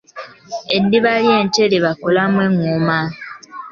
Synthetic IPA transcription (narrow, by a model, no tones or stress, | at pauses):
edːiβalieːnteleβakolamweŋːuma